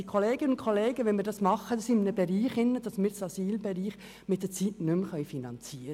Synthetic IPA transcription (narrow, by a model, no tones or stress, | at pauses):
ikʰoleːɡ̥ɪnəʊntkʰoleːɡəʋɛnmiːəɾdɑsmɑχəd̥ɑsɪmnəbɛɾiːχɪnːəd̥ɑsmiːɾsɑsyːlbɛɾiːχ | mɪt̚d̥ɛt͡siːtnʏmχœʏfinɑnt͡siːɾə